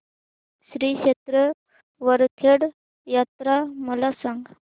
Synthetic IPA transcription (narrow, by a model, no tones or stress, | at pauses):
ɕɾiɕet̪ɾə | ʋəɾt̪ʰeɽ | jat̪ɾaməlasãŋɡ